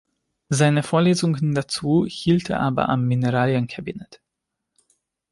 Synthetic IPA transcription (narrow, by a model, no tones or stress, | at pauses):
zaɪnəfoːɐleːzʊŋndat͡suːhiːltḛɐʔaːbɐ̰ʔa̰mːinəʁaːljənkʰabinɛt